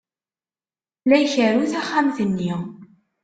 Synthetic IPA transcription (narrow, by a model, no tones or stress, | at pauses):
læjçəɾuθæχːæmθənːiʁ